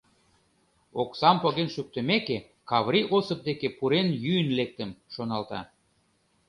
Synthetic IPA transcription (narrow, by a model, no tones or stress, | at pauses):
oksɑmpoɣenʃyk̚t̪ə̆meke | kɑβɾiʔosɤ̆p̚d̪ekepuɾenjyənlek̚t̪ə̆mʃonɑlt̪ɑ̰